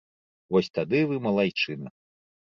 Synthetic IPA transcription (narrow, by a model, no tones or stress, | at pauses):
vɔsʲt̪ad̪ɨvɨmɐlˠajt͡ʂɨnɐ